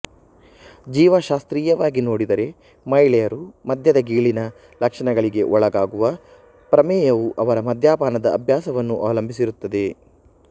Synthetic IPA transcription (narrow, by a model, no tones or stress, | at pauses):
d͡ʒiːʋɐʃaːst̪ɾiːjɐʋaːɡino̞ːɽid̪ɐɾe̞ | mɐjɭɛjɐɾumɐd̪ʱjɐd̪ɐɡiːɭinɐ | lɐkʂɐɳɐɡɐɭiɡe̞ʔɔɭɐɡaːɡuʋɐ | pɾɐmɛːjɐʋuʔɐʋɐɾɐmɐd̪ʱjaːbaːnɐd̪ɐːbʱjaːsɐʋɐnːuʔa̰ːlɐmbʱisiɾut̪ːɐd̪e̞